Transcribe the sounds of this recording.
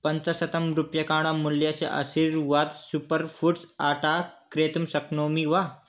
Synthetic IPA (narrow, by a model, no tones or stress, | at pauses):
pənt͡sasɐt̪əmɾupjakãɽ̃amuljasḛʔə̰siɾʋaːd̪supəɾfuʈsaʈakɾet̪umsɐknomiʋa